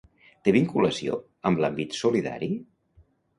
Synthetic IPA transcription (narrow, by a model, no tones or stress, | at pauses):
t̪eβiŋkuləsio̰ | əmblambit̪suliða̰ɾi